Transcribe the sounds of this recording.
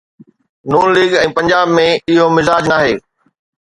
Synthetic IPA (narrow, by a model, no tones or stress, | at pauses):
nuːnliːɡɛ̃ːpɐ̃ɲd͡ʑaːbmẽɪɦomɪzaːd͡ʑnaːɦeː